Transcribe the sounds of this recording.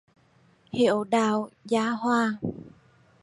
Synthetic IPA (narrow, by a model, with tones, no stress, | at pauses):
hḭ˧˨əwɗaː˧˩wzaː˨˦hwaː˧